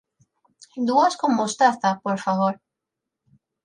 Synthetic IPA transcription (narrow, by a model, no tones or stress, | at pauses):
d̪uaskomost̪aθapoɾfaβoɾ